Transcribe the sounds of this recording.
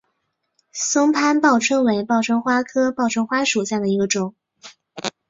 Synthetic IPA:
sʊ˥ŋpʰa˥npɑ˥˩ʊʈ͡ʂʰɤ˥ŋwe˧˥ɪpɑ˥˩ʊʈ͡ʂʰɤ˥ŋxwa˥kʰɤ˥pɑ˥˩ʊʈ͡ʂʰɤ˥ŋxwa˥ʂu˨˩ɕja˥˩d̪ə˩i˧˥ɡə˧ʈ͡ʂʊ˨˩˦ŋ

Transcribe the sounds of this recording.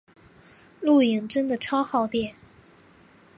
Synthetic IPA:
lu˥˩i˨˩ŋʈ͡ʂə˥nd̪ə˨ʈ͡ʂʰɑ˥ʊxɑ˥˧ʊt̪jɛ˥˩n

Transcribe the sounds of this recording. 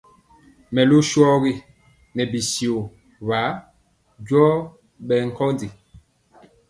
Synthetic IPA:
mɛ˨lu˦ʃwɔ˦ɣi˦ | nɛ˨bi˨si˨o˨ | βa˨˦ | d͡ʒwɔ˦ | ɓɛ˨ŋ̩˨kɔ˦ndi˨

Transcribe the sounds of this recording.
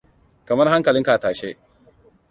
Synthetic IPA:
kɐ˨mɐ˦ɾha˦ŋkɐ˨lɪ˦ŋka˨a˨taː˨ʃe˦

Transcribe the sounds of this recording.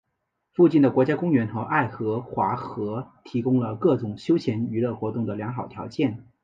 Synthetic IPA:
fu˥˧t͡ɕi˥˩nd̪ə˩kwɔ˧˥t͡ɕja˥kʊ˥ŋɥɛ˧˥nxɤ˧˥ʔa˥˩ɪxɤ˧˥xwa̰˧˥xɤ˧˥t̪ʰi˧˥kʊ˥ŋlə˨kɤ˥˩ʈ͡ʂʊ˨˩ŋɕjo˥ʊt͡ɕʰjɛ˧˥ny˧˥lɤ˥˩xwɔ˧˥t̪ʊ˥˩ŋd̪ə˩ljɑ˧˥ŋxɑ˨˩ʊt̪ʰjɑ˧˥ʊt͡ɕjɛ˥˩n

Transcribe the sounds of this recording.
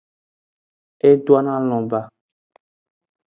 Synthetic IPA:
e˦dwa˦nã˦l̃ɔ̃˨ba˦

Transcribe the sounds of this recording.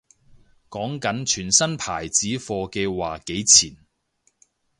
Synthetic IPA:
kɔː˨˥ŋkɐ˨˥nt͡ʃʰyː˨˩nsɐ˥npʰaː˨˩jt͡siː˨˥fɔː˧ke˧waː˨˩ke˨˥jt͡sʰiː˨˩n

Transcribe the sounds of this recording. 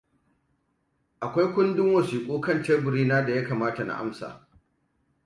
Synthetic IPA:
ʔa˨kʷa˦jkʷʊ˦ndɪ˦ŋwɐ˨siː˨kʷʼuː˦kɐ˦˨nt͡ʃɛ˦bʊ˨ɾiː˦naː˦da˨ja˦kaː˨maː˦ta˨na̰˨ʔa̰˦msa̰ː˨

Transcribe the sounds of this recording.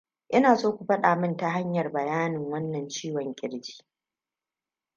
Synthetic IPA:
ʔɪ˦naː˨sʼoː˦kʷu˨ɸɐ˦ɗaː˨mɪ˦nta˨ɦa˦ɲjɐ˨rbɐ˨jaː˦nɪ˨ŋwɐ˦nːɐ˨nt͡ʃiː˦wɔ˨ŋkʲʼɪ˦ɽd͡ʒi̥ː˦

